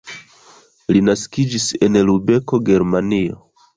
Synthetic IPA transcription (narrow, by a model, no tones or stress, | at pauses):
linaskid͡ʒise̞nlube̞ko̞ɡe̞ɾmanio̰